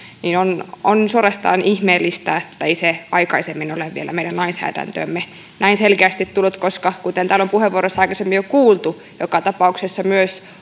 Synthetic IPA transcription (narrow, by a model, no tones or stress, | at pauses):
niːnononsuorest̪ɑ̰ːnihmeːlːist̪æet̪ːæeiseɑikɑisemːinoleʋʋielæ̰meidænnɑinsæ̰ːdæ̰nt̪ø̰ːmːe | nʔæinselkeæst̪it̪t̪ulːut̪koskɑkut̪ent̪æːlompuheʋuoɾosɑikɑsemːijokuːlt̪u | jokɑt̪ɑpɑuksesːɑmyøs